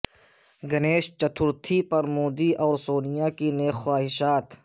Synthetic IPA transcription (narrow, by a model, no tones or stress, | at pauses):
ɡɐneːʃt͡ʃɐt̪ʰʊɾt̪ʰipɐɾmoːd̪iʔɔːɾsoːnɪjakineːxwaːɦɪʃaːt̪